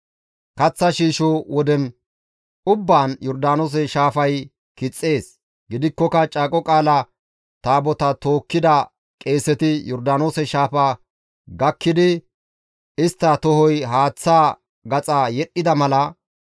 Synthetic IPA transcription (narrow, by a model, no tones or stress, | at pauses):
kɐt͡sːɐʃiːʃowɔd̪ɛn | ʔʊbːaːnjɔɾd̪aːno̞ːs̬ɛʃaːfɐj | kɪt͡sʼːe̞ːs | ɡɪd̪ɪkːɔkɐt͡ʃʼaːkʼɔkʼaːlɐ | t̪aːbɔt̪ɐt̪o̞ːkːɪd̪ɐ | kʼe̞ːsɛt̪ɪjɔɾd̪aːno̞ːsɛʃaːfɐ | ɡɐkːɪd̪ɪ | ɪst̪ːɐt̪ɔhɔjɦaːt͡sːaː | ɡɐt͡sʼajɛɗːɪd̪ɐmɐlɐ